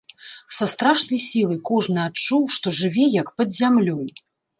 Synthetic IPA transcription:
sast̪ɾaʂnɐjsʲilˠɐjkɔʐnɨat͡ʂuwʂt̪ɔʐɨvʲɛjɐkpɐd̪zʲamlʲɔj

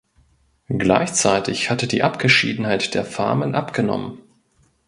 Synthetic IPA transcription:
ɡla̰ɪçt͡saɪtɪçhatədiːʔapɡ̥əʃḭːdn̩haɪtd̥eːɐfa̰ɐmənʔapɡ̥ənɔ̰mən

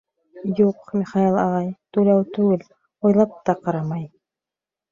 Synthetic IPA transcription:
juqmʲiχɑilˠɑʁɑjt̪ulɑwt̪ʉɡɘl | ojlˠɑp̚t̪ɑqɑɾɑmɑj

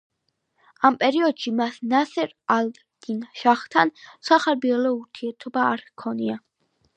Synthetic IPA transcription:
ampʼɛɾiɔd̪̥ʃimasnasɛɾald̪ɾd̪̥inʃaχt̪ʰansaχaɾbiɛlɔuɾt̪ʰiɛɾt̪ʰɔbaːɾkʰɔnia

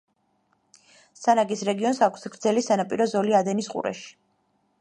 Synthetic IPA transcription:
sanaɡisɾɛɡiɔnsakʷʰsɡɾd̪zɛlisanapʼiɾɔzɔliad̪ɛnisqʼṵɾɛ̰ʃi̥

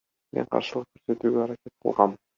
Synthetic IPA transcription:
meɴqʰɑ̰ɾʃɯlˠɤq̚kːɵɾset̪yːɡʲeɑɾakʲet̪̚qʰɤ̰lˠʁɑm

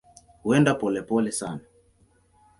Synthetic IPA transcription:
huɛndapɔlɛpɔlɛsana

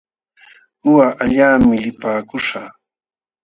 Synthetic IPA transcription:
ʊwaʔaʎaːmɪlɪpaːkʊʂa

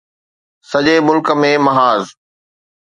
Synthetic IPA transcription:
sɐd͡ʑemʊlkə̆mẽmɐɦaːz

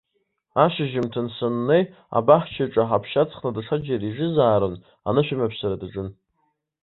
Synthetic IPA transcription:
aʃɪʒɪmtʰɨnsɨnːej | a̰baħt͡ʃʰaʈ͡ʂʼaħapʰʃat͡sʰʼχnadaʈ͡ʂʰad͡ʒaɾiʒɪzaːɾɨn | a̰nɨʃɪmapʰsaɾadaʈ͡ʂʼɨn

